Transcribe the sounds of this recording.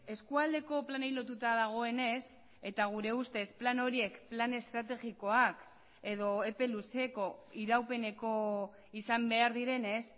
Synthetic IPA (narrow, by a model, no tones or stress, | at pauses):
e̞skuald̪e̞ko̞planejlo̞t̪ut̪aðaɣ̞o̞e̞ne̞s | e̞t̪aɣ̞uɾe̞ust̪e̞splano̞ɾie̞kplane̞st̪ɾat̪e̞ɣiko̞ak | e̞ð̞o̞e̞pe̞luse̞ko̞iɾawpe̞ne̞ko̞ | isambe̞aɾðiɾe̞ne̞s